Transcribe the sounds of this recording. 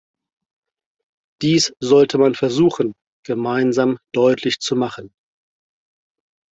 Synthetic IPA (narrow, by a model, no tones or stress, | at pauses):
d̥iːsz̥ɔltʰəmanfɛɐzuːxən̩ | ɡ̥əmaɪnzaːmd̥ɔʏtʰlɪçt͡sumaχən